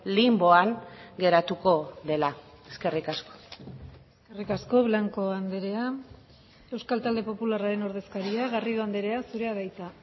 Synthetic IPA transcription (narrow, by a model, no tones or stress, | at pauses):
limbo̞aŋɡe̞ɾat̪uko̞ðe̞la | eske̞rikasko̥eskerikasko̞βlaŋko̞and̪e̞ɾe̞a | e̞wskalt̪ald̪e̞po̞pularaɾe̞no̞ɾð̞e̞skaɾiaɣarioand̪e̞ɾe̞asuɾe̞aðajt͡s̪a